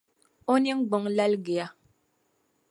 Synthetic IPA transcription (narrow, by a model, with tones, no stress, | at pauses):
o˦ni˦ŋ̩˦ɡ͡bɔ˨˦ŋla˦lɡe˨a˦